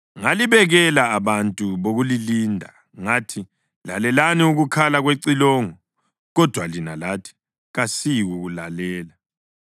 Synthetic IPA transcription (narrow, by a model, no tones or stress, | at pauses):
ŋaliβɛɣɛlaːβantʼuβoɣuliliːndʱa | ŋatʰi | la̰lɛlaniuɣukʰalaɣweǀilɔːŋɔ | ɣɔd̥ʱwalinalatʰi̥ | ɣasiɣuɣulalɛːla